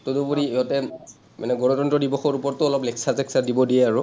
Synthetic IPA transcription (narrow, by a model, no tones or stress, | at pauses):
todopuɹiɔtɛ | ma̰nɛɡɔnɔtɔntɹɔdibɔxɔɹupɔɹtʊɔlɔplɛksazɛksaɹdibɔdijɛaɹʊ